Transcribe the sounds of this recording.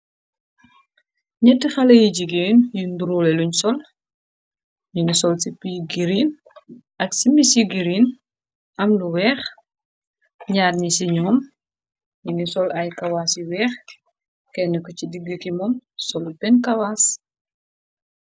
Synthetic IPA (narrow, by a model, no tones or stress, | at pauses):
ɲɛtːixɐlɐjiɟiɡeːnjunduɾulɛluɲsɔl | ɲunisɔlsipiɡiɾiːn | ʔɐksimisiɡiɾin | ʔɐmluwɛːx | ɲaːdɲisiɲɔːm | ɲunisɔlɐjkɐwaːsjiwɛːx | kɛnɛkɔcidiɡːəkimɔmsɔlupɛnkɐwaːs